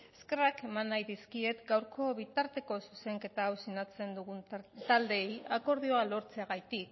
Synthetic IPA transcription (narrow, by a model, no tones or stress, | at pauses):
eske̞rake̞manːajðiskie̞t̪ɡawɾko̞βit̪aɾt̪e̞ko̞suse̞ŋke̞t̪aːwsinat͡se̞nd̪uɣunt̪ald̪e̞ːjako̞ɾð̞io̞alo̞ɾt͡se̞aɣajt̪ik